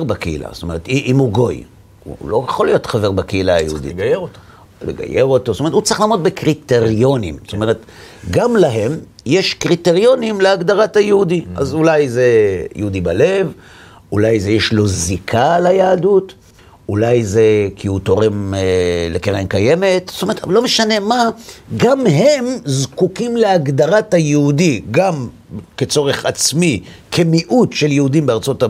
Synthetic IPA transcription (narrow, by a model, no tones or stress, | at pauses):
bakeḭla̰st̪ome̞ʁet̪iʔimuɡo̞j | ṵlojeχolijo̞t̪χaveʁbakeilaajeud̪ḭjeo̥ | leɡa̰jeʁo̞t̪ostomethut͡sʁiχlaːmʁotbekʁiteʁjo̞nimst̪ome̞ʁet̪ | ɡamlaɦe̞m | jeʃkʁiteʁjo̞nimleaɡd̪aʁathajeudia̰zulajze̞jeud̪ibale̞v | ulajzejeʃlo̞zikʰalajaːdut | ulajzekʰiut̪o̞ʁe̞mlekeʁemkaje̞me̞t̪st̪ome̞tlo̞meʃane̞maɡamɦe̞mzkukimleaɡd̪aʁathajehudiɡam | ket͡so̞ʁe̞χat͡smi | kʰe̞miʔutʃeljehudimbeaʁt͡so̞ta